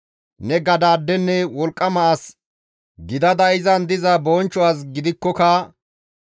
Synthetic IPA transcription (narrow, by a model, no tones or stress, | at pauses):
nɛɡɐd̪aːd̪ːɛnːɛwɔlkʼːɐmɐʔas | ɡɪd̪ɐd̪ɐɪzɐnd̪ɪzɐbɔnt͡ʃːɔwaːs̬ɡɪd̪ɪkːɔkɐ